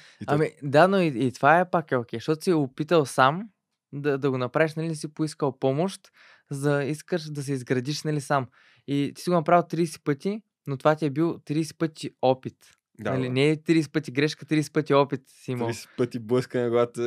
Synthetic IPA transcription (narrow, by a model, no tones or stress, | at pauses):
ɐmid̪anoiit̪o̥vaɛpakɛok̟ɛjʃt̪ɔt̪ʊ̥siɛʊpit̪əlˠsam | d̪ɐd̪ɐɡonɐpɾaviʃnɐlisipʊiskəlˠpɔmoʃt̪ | zzɐiskəʃd̪ɐs̬ɛizɡɾɐd̪iʃnɐlisam | it̪i̥siɡʊnɐpɾavʲilˠt̪ɾiːsɛ̥pɤt̪ʲi | not̪ovat̪iɛbilˠt̪ɾiːsɛ̥pɤt̪ʲiɔpit̪ | anɐlinɛt̪ɾiːs̬ɛ̥pət̪ʲiɡɾɛʃkət̪ɾiːsɛ̥pɤt̪ʲiɔpit̪simoisɛ̥pət̪ʲibləskənɛɡat̪ə